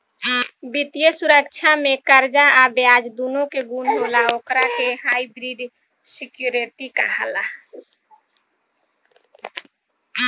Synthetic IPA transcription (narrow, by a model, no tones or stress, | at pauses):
bit̪ijəsuɾəkt͡ʃʰamekəɾd͡ʒaabjad͡ʒd̪unõkeɡunloːlaokɾakeɦaibɾiɖ | sikjuɾeʈika̰ɦala